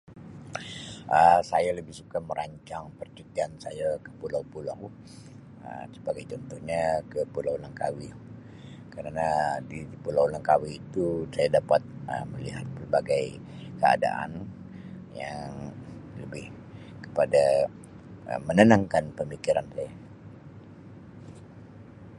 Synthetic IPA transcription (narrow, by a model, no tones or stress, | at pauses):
ʔəsajaləbɪhsukaməɾʔaɲt͡ʃaŋpərt͡ʃut̪iansajakə̥pulawpulaw | ə̰sə̥paɡajt͡ʃɔnt̪ɔhɲakəpulawlaŋkawi | kəɾanadipulawlaŋkawiːt̪usajadapat̪̚ə̰məliɦat̪̚pərbaɡaj | kəa̰da̰ʔa̰n | jaŋləbɪh | kə̥pada | ə̰mənənaŋkanpəmikiɾansaja